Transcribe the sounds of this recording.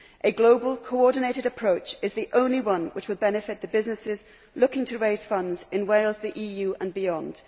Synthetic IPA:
ʔəɡloʊbəlˠkʰoʊɔdⁿn̩eɪɾɪɾəpʰɹ̥oʊt͡ʃɨzðiʔõʊ̃nliwʌ̃nwɪt͡ʃwɨlˠbɛnɨfɪt̪̚ðəbɪznɨsɪz | lʊkɪ̃ŋtʰəɹeɪz̥fʌ̃ndzɪ̃nweɪlˠzðiʔiːjʉːʔə̃nbɪɒ̃nd̥

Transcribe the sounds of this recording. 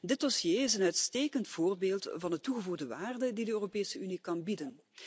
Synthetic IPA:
dɪt̚dɔsjeːɪsənœɥtsteːkəntfoːrbeːlˠtvɑnətuɣəvuɣdəʋaːrdədidəøːropeːsəynikɑnbidən

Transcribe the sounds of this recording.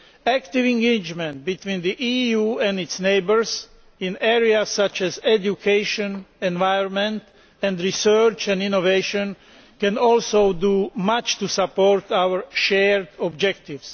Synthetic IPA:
ækt̪ivĩŋɡeɪd͡ʒmɛ̃nt̪̚bit̪wĩːnd̪iʔiːjuːɛ̃nd̪itsneɪbəɹs | ĩnɛːɹiasːat͡ʃɛzɛd͡ʒjukʰeɪʃɔ̃nɛ̃nʋajɔ̃nmɛ̃nt̪ | ɛ̃nd̪ɹisɜt͡ʃɛ̃nĩnoveʃɔ̃n | kɛ̃nɔlsoʊd̪umat͡ʃt̪usapoɾt̪awəɹʃɛɹd̪ɔbd͡ʒɛkt̪ivs

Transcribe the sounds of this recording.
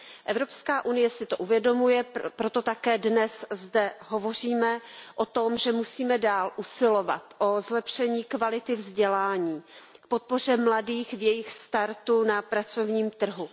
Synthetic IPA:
ʔɛvɾo̞pskaːʔunɪjɛsɪt̪oʔuvjɛdo̞mujɛpɾo̞t̪o̞t̪akɛːdnɛszdɛɦo̞vo̞r̝iːmɛʔo̞t̪o̞mʒɛmusiːmɛdaːlʔusɪlo̞va̰t̪ʔozlɛpʃɛɲiːkvalɪt̪ɪvzɟɛlaːɲiːk̚po̞t̪̚po̞r̝ɛmladiːxvjɛjɪxst̪aɾt̪unapɾat͡so̞vɲiːmt̪r̩ɦu

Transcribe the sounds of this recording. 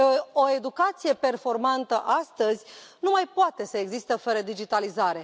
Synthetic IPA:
oe̞d̪ukat̪sije̞pe̞rfo̞rmant̪əʔast̪əzʲnumajpoat̪e̞səe̞ɡzist̪əfəɾəd̪id͡ʒit̪alizaɾe̞

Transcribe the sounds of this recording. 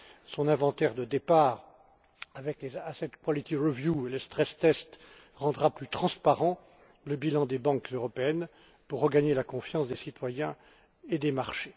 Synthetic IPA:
sɔ̃nɛ̃vɑ̃t̪ɛʁd̪əd̪epaːʁ | avɛklezasɛt̪pwɔlit̪iʁəvjueləst̪χɛst̪ɛst̪ | ʁɑ̃d̪ʁaplyt̪χɑ̃spaʁɑ̃ | ləbilɑ̃d̪ebɑ̃kzøʁɔpeɛn | puʁːəɡaɲelakɔ̃fjɑ̃sd̪esit̪wajɛ̃ | ed̪emaʁʃe

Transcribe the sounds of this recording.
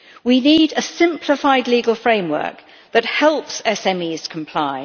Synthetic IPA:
winiːdəsɪ̃mpʰlɪfaɪdliːɡəlˠfɹẽɪ̃mwɜ̰ˑk̚ | ðət̚hɛlˠpsɛsɛ̃miːz̥kʰə̃mpʰl̥aɪ

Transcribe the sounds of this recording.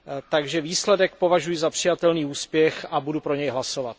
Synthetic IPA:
t̪aɡʒɛviːslɛdɛk̚po̞vaʒujɪzapr̝̥ɪjat̪ɛlniːuːspjɛxabudupɾo̞ɲɛjɦlasovat̪̚

